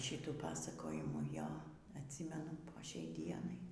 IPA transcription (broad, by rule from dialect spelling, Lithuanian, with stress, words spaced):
ˈʃʲiːtuː ˈpɑːsɐkoːjɪmuː ˈjoː ɐtʲˈsʲiːmʲɛnʊ poː ˈʃʲɛɪ ˈdʲiɛnɐɪ